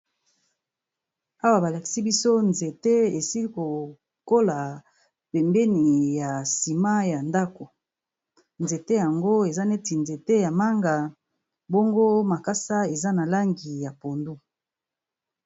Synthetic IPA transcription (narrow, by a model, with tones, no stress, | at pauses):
a˦wa˨ba˨la˨ki̥˨si˦bi˦so˦nze˨te˦e˨si˦li˦ko˨ | ko˦la˨ | pɛ˨mbɛ˦ni˨ja˨si˨ma˦ja˨nda˦ko˨ | nze˨te˦ja˨ŋɡo˦e˨za˦ne˦ti˨nze˨te˦ja˨ma˦ŋɡa˨ | bo˦ŋɡo˦ma˨ka˦sa˦e˨za˦na˨la˦ŋɡi˨ja˨po˨ndu˦